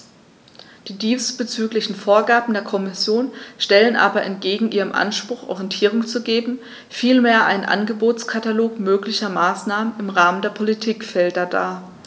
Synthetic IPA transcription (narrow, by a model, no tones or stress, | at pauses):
d̥iːdiːstb̥ət͡syːklɪçn̩foːɐɡaːɐbm̩deːɐkʰɔmɪsjoːnʃtɛlənʔa̰ːbɐʔɛ̰ntɡ̥eːɡŋ̩ʔiːʁəmʔa̰nʃpʁ̥ʊxʔɔ̰ʁijɛntʰiːʁʊŋt͡suɡeːbm̩ | fiːlmeːɐʔa̰ɪnənʔa̰nɡəboːt͡skʰataloːkmøːklɪçɐmaːsnaːmənɪmʁaːməndeːɐpʰolitʰiːkfɛldɐda̰ː